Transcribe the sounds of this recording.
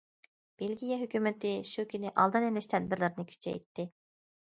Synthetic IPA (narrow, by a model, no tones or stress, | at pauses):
b̥elɡʲijɛɦykʲymɪt̪ɪʃukʲynɪʔɑ̰lˠd̪ɨnelɪʃt̪ʰɛd̪̚bɪɾlɪɾɪnɨkʲʰy̥t͡ʃʰɛ̰jt̪ʰːɪ